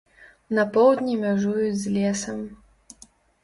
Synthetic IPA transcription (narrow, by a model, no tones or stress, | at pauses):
nɐpɔwd̪ʲnʲimʲaʐujud͡zʲzlʲɛsɐm